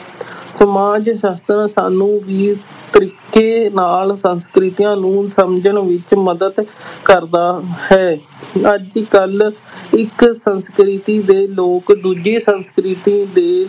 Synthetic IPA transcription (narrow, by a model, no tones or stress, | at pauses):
səmaːd͡ʒʃast̪ənsaːnũːʋiːt̪əɾiːkːeːnaːlsənskɾɪt̪ijãːnũːsəmd͡ʒəɳʋɪt͡ʃməd̪əd̪kəɾd̪aːhɛː | əd͡ʒkəlɪksənskɾɪt̪iːd̪eːloːkd̪uːd͡ʒiːsənskɾɪt̪iːd̪eː